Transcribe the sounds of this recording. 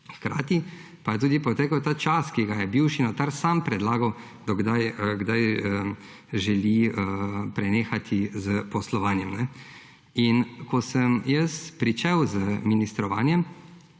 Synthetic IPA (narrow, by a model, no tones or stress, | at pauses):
xkɾa̰ːt̪i | pajɛt̪uːd̪ipɔt̪eːkəwt̪aːt͡ʃaskiɡajɛbiwʃinat̪aɾsampɾɛd̪laːɡɐw | d̪ɔɡd̪ajəɡd̪ajə | ʒɛliəpɾɛneːxat̪ʰizəpɔslɔʋaːnjɛmnɛ | inkɔsəmjəspɾit͡ʃɛwzəminist̪ɾɔʋa̰ːnjɛm